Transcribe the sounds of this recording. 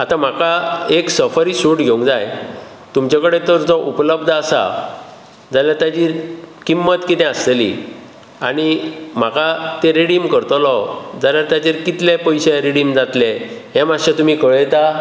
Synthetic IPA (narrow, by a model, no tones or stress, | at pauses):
at̪ãm̤akaeksəfəɾisuʈɡʱeũŋd͡zaj | t̪umt͡ɕakəɽet̪əɾd͡zɔʔupləbd̪ʱasa̰ | d͡zaljat̪jad͡ʑiːɾkimːət̪kit̪ɛ̃astelḭ | a̰ɽ̃im̤akat̪eɾeɽimkəɾt̪ɔlɔd͡zaljaɾt̪jat͡ɕiɾkit̪lẽpəjɕeɾeɽimd͡zat̪le | ɦɛ̃maɕat̪um̤iːkəɭjt̪a